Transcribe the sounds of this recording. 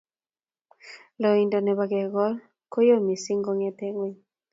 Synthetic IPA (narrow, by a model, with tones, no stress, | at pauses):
lɔ˨i˨ndɔ˨nɛ˨ba˨ɡɛ˨ɡɔ˦l | ko˦jo˦mi˨si˦ŋɡɔ˦ŋɛ˦t̪ɛ˦ŋwi˦